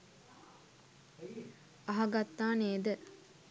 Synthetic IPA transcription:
ɐɦɐɡat̪ːaːneːd̪ə

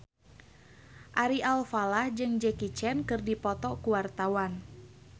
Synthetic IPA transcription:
ʔaɾiʔalfalahd͡ʒɨŋd͡ʒɛkit͡ʃɛnkɨrdipɔt̪ɔkuwart̪awan

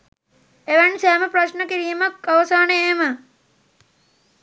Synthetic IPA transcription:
eʋɐnsɛːmɐpɾɐʃnɐkiɾijɐmɐkːɐʋɐsaːneeːmə

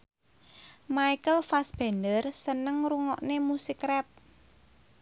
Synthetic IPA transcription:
maikəlfasb̥ɛ̤ndərsənəŋɾuŋɔʔnemusikɾɛp̚

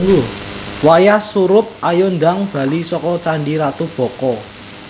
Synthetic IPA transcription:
ŋɡʊwajasuɾʊp̚ʔajɔnd̪aŋb̥ä̤lisɔkɔt͡ʃaɳɖiɾat̪ub̥ɔ̤kɔ

